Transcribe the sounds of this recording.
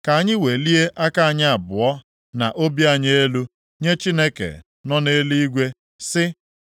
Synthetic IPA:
ka˨a˨˦ɲɪ˦we˨li˦e˦ʔa˦ka˦a˨ɲɪ˦a˨bʊ˨ɔ˦ | na̰˨ʔo˦bi˦a˦ɲe˦e˦lu˦ | ɲe˦t͡ʃi˦ne˦kḛ˨ | nɔ˦ne˦li˦i˦ɡʷe˦ | sɪ˦

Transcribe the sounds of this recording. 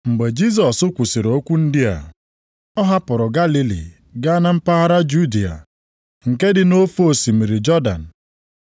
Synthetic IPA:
ŋ͡m̩˨ɡ͡be˨d͡ʒi˦s̬ɔ˨sʊ˦kʷu˨si˨ɾo˦kʷu˦n̩˦dɪ˦a̰˨ | ɔ˦ɦa˦pʊ˨ɾʊ˨ɡa˦li˦lḭ˨ | ɡa˦a˦na˦m̩˦pa˦ɦa˦ɾa˦d͡ʒu˦di˨a̰˨ | ŋ̩˨ke˦dɪ˨no˦fo˨si˨mi˨ɾi˨d͡ʒɔ˦da̰˨n̩˨

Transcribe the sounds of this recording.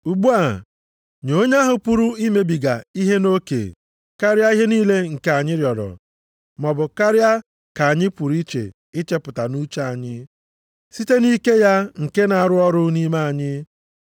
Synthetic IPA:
u˨ɡ͡bu˦a˨ | ɲo˦ɲa˦ɦʊ˨pu˦ɾu˦i˦me˨bi˨ɡa̰˨i˦ɦe˦no˦kḛ˨ | ka˦ɾja˦i˦ɦe˦niː˦le˦ŋ̩˨ke˦a˨ɲɪ˦ɾjɔ˨dɔ̰˨ | mɔ˨bʊ˨ka˦ɾja˦ | ka˨a˨ɲɪ˦pu˨ɾi˦t͡ʃḛ˨ | ɪ˦t͡ʃe˦pʊ˨ta˨nu˦t͡ʃa˦a˨ɲɪ˦ | si˦te˦ni˦ke˦ja˦ŋ̩˨ke˦na˨a˨ɾʊ˦ɔ˦ɾʊ˦ni˦ma˦a˨ɲɪ˦

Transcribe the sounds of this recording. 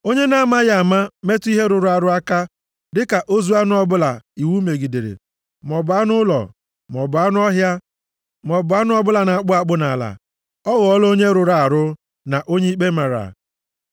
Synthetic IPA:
o˦ɲe˦na˦ma˦ja˦˨a˨ma˦me˦tʊ˦i˦ɦe˦ɾʊ˨ɾʊ˨a˨ɾʊ˦a˦ka˦ | dɪ˦ka˨ʔo˦zu˦a˦nʊ˦ɔ˦bʊ˦la̰˨i˨wu˦me˨ɡi˨de˨ɾḛ˨ | m˨ɔ˨bʊ˨˦a˦nʊ˦lɔ̰˨ | mɔ˨bʊ˨a˦nʊ˦ɔ˦ɦja˦ | mɔ˨bʊ˨a˦nʊ˦ɔ˦bʊ˦la˨na˨a˨k͡pʊ˦a˦k͡pʊ˦na˨la̰˨ | ɔ˦ɣɔ˨ɔ˦lo˦ɲe˦ɾʊ˨ɾa˨a˨ɾʊ˦ | na˨ʔo˦ɲe˦i˦k͡pe˦ma˨ɾa̰˨

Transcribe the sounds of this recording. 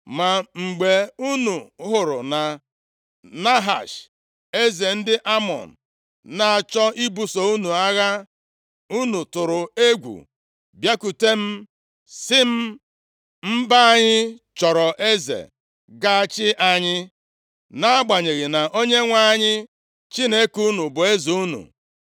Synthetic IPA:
ma˨ŋ͡m̩˨ɡ͡be˨u˦nu˨˦ɦʊ˨ɾʊ˨na˨ | na˦ɦa̰˨ʃ | e˦ze˨n̩˦dɪ˦ʔa˦mɔ̰˨n̩˨ | na˨a˨t͡ʃɔ˦ʔi˦bu˨so˨u˦nu˨a˦ɣa˦ | u˦nu˨tʊ˨ɾʊ˨e˦ɡʷṵ˨ | bja˦ku˨te˦m̩˦ | sɪ˦m̩˦ | m̩˦ba˦a˦ɲɪ˦t͡ʃɔ˨ɾɔ˨ʔe˦zḛ˨ | ɡa˦a˦t͡ʃɪ˦ʔa˦ɲɪ˦ | na˦a˦ɡ͡ba˨ɲe˨ɣɪ˨na˨ʔo˦ɲe˦ŋʷa˦ɲɪ˦ | t͡ʃi˦ne˦ku˦nu˨bʊ˨e˦zu˨u˦nṵ˨

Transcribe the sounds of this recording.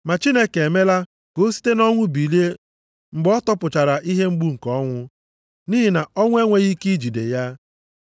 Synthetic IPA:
ma˨t͡ʃi˦ne˦kee˨me˦la˦ | ko˦si̥˦te˦nɔ˦ŋʷʊ˦bi˨li˦e˦ | ŋ͡m̩˨ɡ͡bɔ˦tɔ˦pʊ˨t͡ʃa˨ɾa˨ʔi˦ɦe˦ŋ͡m̩˦ɡ͡bu˦ŋ̩˨kɔ˦ŋʷʊ˦ | niː˦ɦi˨na˨ɔ˦ŋʷ˦e˦ŋʷe˦ɣi˦ki˦d͡ʒi˨dḛ˨ja˦

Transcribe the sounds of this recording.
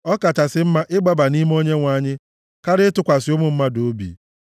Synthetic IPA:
ɔ˦ka˨t͡ʃa˨sɪ˦m̩˦ma˦ʔɪ˦ɡ͡ba˦ba˨ni˦m˦o˦ɲe˦ŋʷa˦˨ɲɪ˦ | ka˦ɾɪ˦tʊ˦˨kʷa˨sɪ˨˦ʊ˦mʊ˨m̩˦ma˦do˨˦bḭ˨

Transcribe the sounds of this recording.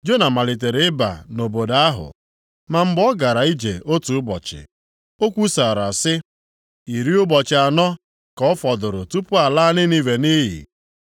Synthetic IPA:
d͡ʒo˦na˨ma˨li˨t̬e˨ɾe˦ɪ˦ba̰˨no˨bo˨da˦ɦʊ̰˨ | ma˨m̩˦bɔ˦ɡa˨ɾa˨i˦d͡ʒḛ˨o˦tu˨ʊ˦bɔ̰˨t͡ʃɪ̰˨ | o˦kʷu˦sa˨ɾa˨sɪ˦ | i˨ɾi˦ʊ˦bɔ˨t͡ʃɪ˨a˨nɔ˦ | kɔ˦ɔ˦fɔ˨dʊ˨ɾʊ˨tu˦pʊ˦a˨laː˦nɪ˦ni˦we˨ni˦ɦḭ˨

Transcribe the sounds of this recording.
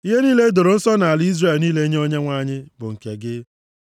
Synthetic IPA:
i˦ɦe˦niː˦le˦do˨ɾo˨n̩˦sɔ˦na˨a˨lɪ˦i˦zre˦˨lniː˦le˦ɲe˦o˦ɲe˦ŋʷa˦˨ɲɪ˦bʊ˨ŋ̩˨ke˨ɡɪ˦

